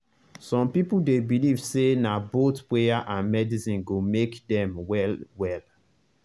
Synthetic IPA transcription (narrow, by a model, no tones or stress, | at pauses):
sɔ̃mpipuldebiliv̥senabotpejaʔãnmɛdisĩnɡomekdɛ̃mwɛlwɛl